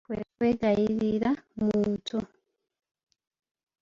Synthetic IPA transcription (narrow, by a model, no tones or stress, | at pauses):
kwekweːɡajiɾiɾamuːntu